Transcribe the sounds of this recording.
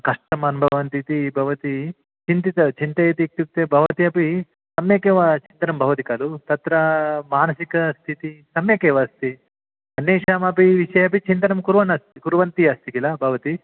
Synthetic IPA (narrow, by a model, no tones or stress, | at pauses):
kɐʂʈɐmɐnubʱɐʋɐʋɐnt̪it̪ibʱɐʋɐt̪i | t͡ʃint̪it̪ɐt͡ʃint̪ɐjɐt̪ik̚t̪uk̚t̪eːbʱɐʋɐt̪iɐpi | sɐmjeːkeːʋɐt͡ʃint̪ɐnɐmbʱɐʋɐt̪ikaːlut̪ɐt̪ɾɐmaːnɐsikɐst̪ʰit̪isɐmjeːkeːʋɐst̪i | ɐnːeːʂaːmɐpiʋiʂɐjɐpit͡ʃint̪ɐnɐmkuɾʋɐnɐst̪ikuɾʋɐnt̪iɐst̪ikilɐbʱɐʋɐt̪i